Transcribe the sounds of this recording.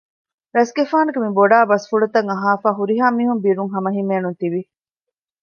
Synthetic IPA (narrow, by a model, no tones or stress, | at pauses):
ɾɐsɡefaːnɐɡemiboɖaːbɐsfuɭɐt̪ɐŋɐɦaːfaːɦuɾiɦaːmiːɦumbiːɾuŋɦɐmɐɦimeːnunt̪iʋi